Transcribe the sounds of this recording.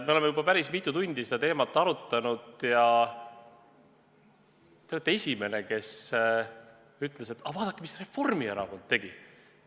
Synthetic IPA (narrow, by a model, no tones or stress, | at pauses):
me̞o̞lemejubɑpæɾismit̪ˑːut̪unʲd̪̥ised̪ɑt̪e̞ːmɑt̪ːˑɑɾut̪ˑːɑnud̪̥jɑ | t̪et̪ːeesʲime̞neke̞s | yt̪ːˑlese̞t̪ːˑɑvɑːd̪̥ɑkːˑemisre̞fo̞rmieɾɑ̰ko̞nd̪̥̚t̪e̞ɡ̥i